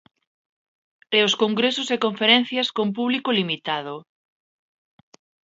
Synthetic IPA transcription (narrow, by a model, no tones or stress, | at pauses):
eoskoŋɡɾesosekoɱfeɾen̟θjaskomp̬uβlikolimit̪að̞o